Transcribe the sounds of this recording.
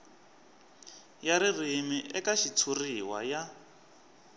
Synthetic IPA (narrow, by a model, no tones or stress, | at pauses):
jaɾirimiʔɛkaʃit͡sʰuriwa̰ja